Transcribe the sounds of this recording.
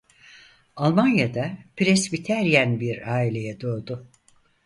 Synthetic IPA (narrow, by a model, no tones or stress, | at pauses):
alˠmanjad̪apɾɛsbit̪ʰæɾjænbiɾaːilʲe̞jɛd̪o̞ːd̪ʊ